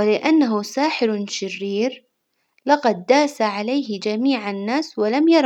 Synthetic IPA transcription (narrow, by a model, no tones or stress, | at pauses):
ɪlɪʔanːaɦʊsaːħɪɾʃɪrːiːɾ | lɑqɑd̪̚ːaːsaʕalajhɪd͡ʒamiːʕanːaːswalamjɑɾˤ